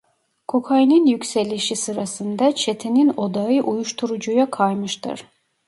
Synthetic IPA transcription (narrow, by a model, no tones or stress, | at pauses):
kʰokʰajnɯnjykʲsɛlʲiʃisɯɾasɯnd̪ɑt͡ʃʰet̪ʰinino̞d̪ɑjɯʔujuʃt̪ʰuɾud͡ʒujakʰɑjmɯʃt̪ʰɯ̰ɾ̥